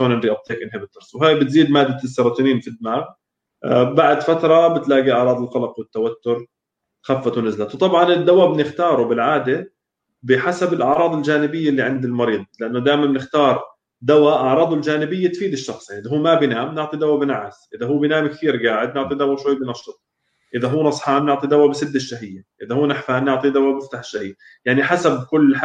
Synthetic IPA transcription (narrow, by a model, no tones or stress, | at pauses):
ʃoːnʔɪnd̪ɾiʔab̚t̪ˤeːkʔɪnhabɪt̪ˤːɑɾsˤwɦaːjbɪt̪ziːd̪maːd̪ːasːɑɾˤɑːt̪ˤiːniːnfid̪ːɪmaːɣ | baʕd̪fat̪ɾˤɑbɪt̪laːɡiʔɑʕɾɑːd̪ˤɪlqɑlɑqwɪt̪ːawat̪ːʊɾ | xafːat̪unɪzlat̪wt̪ˤɑbʕɑnɪd̪ːawabɪnɪxt̪ɑːɾˤubɪlʕaːd̪e | bɪħasabɪlʔɑʕɾˤɑːd̪ˤɪld͡ʒaːnɪbɪjːalːiʕɪnd̪ɪlmɑɾiːd̪ˤlɪʔanːʊd̪aːjmanbɪnɪxt̪ɑːɾˤ | d̪awaʔɑʕɾˤɑːd̪ˤʊld͡ʒaːnɪbɪjːat̪fiːd̪ɪʃːɑxsˤjaʕnʔɪðaɦuːmabjnaːmnɪʕt̪ˤid̪awabɪnaʕasʔɪðaɦuːbjnaːmkt̪iːɾɡaːʕɪd̪nɪʕt̪ˤid̪awːaʃwajːbɪnɑʃːɨt̪ˤ | ʔɪðaɦuːnɑsˤħaːmnɪʕt̪ˤid̪awːabɪsɪd̪ːɪʃːaɦɪjːaʔɪðahuːnɪħfaːnːɪʕt̪ˤid̪awabɪft̪aħʃahɪjːa | jaʕniħasab̚kʊlː